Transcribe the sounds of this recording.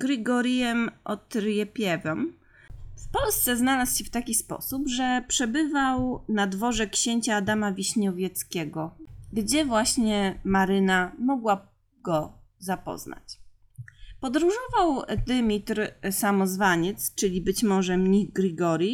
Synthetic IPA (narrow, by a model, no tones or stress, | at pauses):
ɡɾɘɡɔɾʲjɛmʔɔt̪ɾjɛpʲjɛvɔm | fpɔlst̪sɛznalasɕɛft̪akʲispɔ̰supʐɛpʂɛbɘvawnad̪vɔʐɛkɕeɲt͡ɕaːd̪amavʲiɕɲɔvʲjɛt̪skʲɛɡɔɡd͡ʑɛvwaɕɲɛmaɾɘnamɔɡwa | ɡ̥ɔzapɔ̰zna̰t͡ɕ | pɔd̪ɾuʐɔvawd̪ɘmʲit̪ɾsamɔzvaɲɛt̪st͡ʂɘlʲibɘt͡ɕmɔʐɛmɲiɡɾɘɡɔɾʲji